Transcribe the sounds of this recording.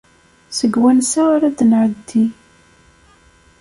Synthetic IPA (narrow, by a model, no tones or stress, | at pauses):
səɡwænsaaɾad̪nʕəd̪ːi